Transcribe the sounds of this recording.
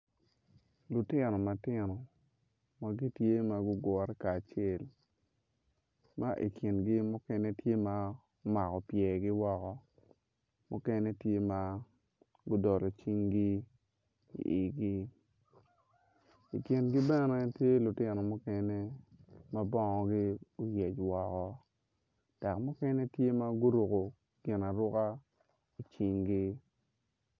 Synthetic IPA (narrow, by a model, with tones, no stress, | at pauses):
lʊ˨tɪ˦nɔ˨ma˨tɪ˦nɔ˨ | ma˨ɡi˦tje˦ma˨ɡʊ˦ɡwɔ˨ɾɛ˦kaː˨t͡ʃe˦˨l | ma˦ʔḭ˨kʰi˨nɡi˦mʊ˦kɛ˦ne˦tje˦ma˨˦ | ma˨kɔ˨pjɛ˨ɡɪ˦wɔ˦kɔ˦ | mu˦kɛ˦ne˦tje˦ma˨ | ɡʊ˦dɔ˨ɾɔ˨t͡ʃi˦ŋɡi˦ | ḭ˨ʔɪ˨ɡɪ˦ | i˨kjɪ˨nɡɪ˦bɛ˦nɛ˦tje˦lʊ˨tɪ˦nɔ˨mʊ˦kɛ˦ne˦ma˦bɔ˦ŋɔ˨ɡɪ˦o˦je˨t͡ʃwɔ˨kɔ˦ | tɛ˨kmʊ˦kɛ˦ne˦tje˦ma˦ɡʊ˦ɾu˨ko˨ | ɡ̥ɪ˨na˨ɾʊ˦ka˦ | i˨t͡ʃi˦ŋɡɪ˦